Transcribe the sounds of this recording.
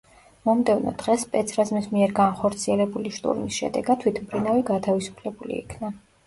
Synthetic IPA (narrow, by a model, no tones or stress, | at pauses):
mɔmd̪ɛvnɔ̰d̪̥ʁɛspʼɛt̪sʰɾazmismiɛɾɡanχɔɾt̪sʰiɛlɛbuliʃt̪ʼṵɾmisʃɛ̰d̪ɛ̰ɡat̪t̪ʰwit̪ʰmbʰɾinaviɡat̪ʰavisu̥pʰlɛbulḭːkʰna